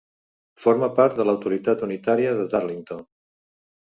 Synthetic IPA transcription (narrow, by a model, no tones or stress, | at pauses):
foɾməpaɾt̪̚d̪ələwt̪uɾit̪at̪unit̪aɾiəðəðaɾliŋt̪on